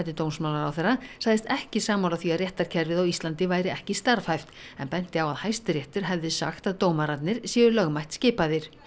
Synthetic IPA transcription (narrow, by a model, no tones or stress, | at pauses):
t̪ɪt̪oːwnsmawlaɾawθerːasaɣðɪst̪ɛhcɪsaːmawlaθiaðrjɛht̪aɾ̥cʰɛɾvɪðawist̪lant̪ɪvaːjɾɪɛhcɪst̪aɾfajft̪ɛ̰npɛn̥t̪ɪawaðhajst̪ɾjɛht̪ʏɾ̥ɦɛvðɪsa̰xt̪aðt̪oːwmaɾat̪nɪɾ̥sjɛːʏlœɣmajht̪scɪːpaðɪɾ̥